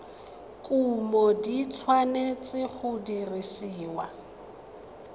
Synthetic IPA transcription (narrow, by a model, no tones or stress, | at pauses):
kʼumɔdit͡sʰwanet͡sʼɪχʊdirisiːwa